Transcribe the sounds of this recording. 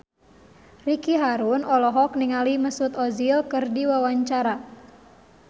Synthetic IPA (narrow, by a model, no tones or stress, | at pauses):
rikiɦaɾunɔlɔɦɔkniŋaliməsut̪ɔzilkərdiwawaɲt͡ʃaɾa